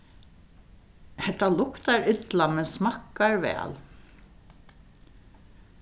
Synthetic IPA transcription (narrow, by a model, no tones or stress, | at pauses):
hɛt̪ːalʊkt̪aɹʏt̪lamɛnsmakːaɹʋɛ̰ːl